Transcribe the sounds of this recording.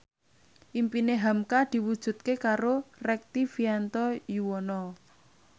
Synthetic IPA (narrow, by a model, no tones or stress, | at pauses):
ʔimpineɦamkad̪̥i̤wud̥ʒ̥ṳt̪̚kekaɾorɛk̚t̪ifiant̪ɔjuwɔnɔ